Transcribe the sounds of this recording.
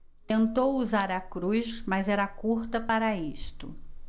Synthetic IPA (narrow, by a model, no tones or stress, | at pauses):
t̪ẽnt̪owuzaɾɐkɾujʃmɐzɛɾɐkuɾt̪ɐpaɾɐiʃt̪ʊ